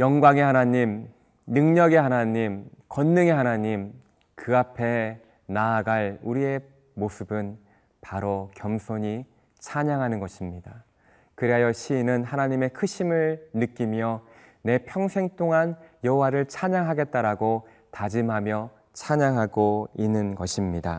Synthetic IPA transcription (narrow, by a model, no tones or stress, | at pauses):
jʌŋɡwaŋe̞hanaɲim | nɯŋɲʌɡe̞hanaɲimkʌnːɯŋe̞ɦanaɲim | kɯapʰe̞ | naːɡaɭuɾie̞ | mosʰɯbɯn | paɾokjʌmsʰoɲi | t͡ɕʰaɲaŋɦanɯnɡʌɕʰimɲida | kɯɾeɦajʌɕʰinɯnɦanaɲime̞kʰɯɕʰimɯɭnɯk͈imjʌ | ne̞pʰjʌŋsʰe̞ŋt͈ʰoŋanjʌɦowaɾɯɭt͡ɕʰaɲaŋɦaɡe̞t̚t͈aɾaɡo | tad͡ʑimɦamjʌ | t͡ɕʰaɲaŋɦaɡoinːɯnɡʌɕʰimɲida̰